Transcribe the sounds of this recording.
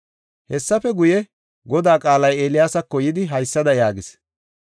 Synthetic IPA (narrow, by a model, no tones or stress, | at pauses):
hɛsːɐfɛɡʊjɛ | ɡɔd̪aːkʼaːlɐjeːlɪjaːsɐkːɔjɪd̪ɪɦɐjsːɐd̪ɐjaːɡɪs